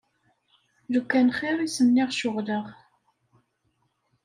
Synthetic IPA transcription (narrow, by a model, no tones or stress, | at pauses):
ðukːænχɪɾˤisənːɪʁʃʊʁləʁ